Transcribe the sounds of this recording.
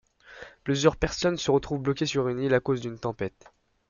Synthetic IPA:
plyzyʁpɛʁsɔnsəʁət̪χuvblɔkʲesyʁynilakozd̪ynt̪ɑ̃pɛt̪

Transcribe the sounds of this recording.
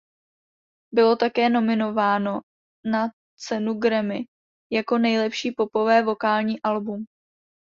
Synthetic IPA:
bɪlo̞t̪akɛːno̞mɪno̞vaːno̞ | na | t͡sɛnuɡɾɛmɪ | jako̞nɛjlɛpʃiːpo̞po̞vɛːvo̞kaːlɲiːʔalbum

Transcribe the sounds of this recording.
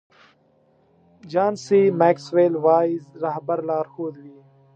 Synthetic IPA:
d͡ʒaːnsiːmeːksʋeːlʋaːizɾaɦbəɾlaːɾxoːd̪wiː

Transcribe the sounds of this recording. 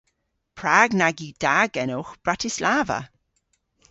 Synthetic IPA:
pʰɹaːɡnaɡiːd̥aɡɛnoxb̥ɹatɪslaːvə̰

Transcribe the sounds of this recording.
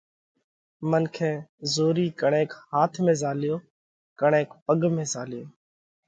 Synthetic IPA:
mənkʰẽːzoːɾiːkəɳẽːkhaːt̪ʰmẽːzaːljoː | kəɳẽːkpəɠmẽːzaːlɪjoː

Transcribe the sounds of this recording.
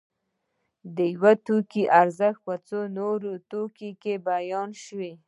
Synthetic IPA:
d̪əjwat̪ukiʔaɾzəxt̪̚pət͡sonoɾot̪okikebajɑnʃwi

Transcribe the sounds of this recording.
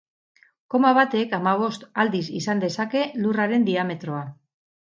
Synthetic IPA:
ko̞maβat̪e̞kamaβ̞o̞st̪ald̪isisand̪e̞sake̞luraɾe̞nd̪iame̞t̪ɾo̞a

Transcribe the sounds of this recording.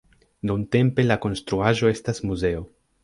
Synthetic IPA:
nunte̞mpe̞lako̞nstɾuaʒo̞e̞stasmuze̞o̞

